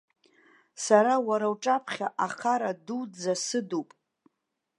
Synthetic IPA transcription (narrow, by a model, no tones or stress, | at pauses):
saɾawaɾawʈ͡ʂʼapʰχʲaʔaχʰaɾadud͡zasɨdupʼ